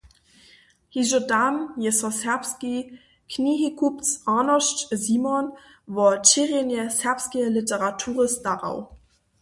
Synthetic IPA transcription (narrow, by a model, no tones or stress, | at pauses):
hiʒodamjesɔsɛɐpski | kʰniɦikʰupt͡sʔaːnɔʃtziːmɔn | vɔɐt͡ʃiʁenjəsɛɐpskilɪtəʁatʰuːʁəstaʁa̰ʊ